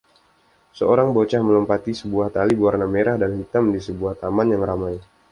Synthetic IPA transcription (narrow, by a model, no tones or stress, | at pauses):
səoɾaŋbot͡ʃahmələmpat̪isəbuaht̪alibuarnameɾahdanhit̪amdisəbuaht̪amanjaŋɾamaj